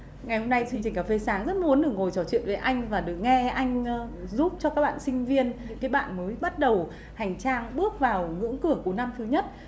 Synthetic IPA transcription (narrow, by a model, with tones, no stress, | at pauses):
ŋa˨˩jho˧mna˧jt͡ɕwi˧ŋt͡ɕï˨˩ŋ̟kaː˨˩fe˧saː˨˦ŋzə˦˥t̚mu˨˦ənɗɨ˨˩ək̚ŋo˨˩jt͡ɕɔ˧˩t͡ɕwḭ˧˨nve˨˩ʔa˧jŋ̟vaː˨˩ɗɨ˨˩ə˩k̚ŋɛ˧ʔa˧jŋ̟˧zu˦˥p̚t͡ɕɔ˧kaː˦˥k̚ɓa̰ː˧˨nsï˧ŋ̟vi˧ən | kaː˨˦jɓa̰ː˧˨nməː˨˦jɓa˦˥t̚ɗə˨˩w | ha˨˩jŋ̟t͡ɕaː˧ŋɓɨ˦˥ək̚vaː˨˩wŋɨ̰˧˥əŋkɨ˧˩əku˧˩əna˧mt̪ʰɨ˨˦ɲə˦˥t̚